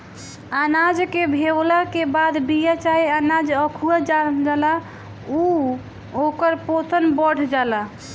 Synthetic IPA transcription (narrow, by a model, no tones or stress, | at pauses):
anad͡ʒkebʱewlakebad̪bijat͡ʃaɦianad͡ʒəkʰuad͡ʒad͡ʒala | u | okəɾpot̪ənbəɽ̤d͡ʒala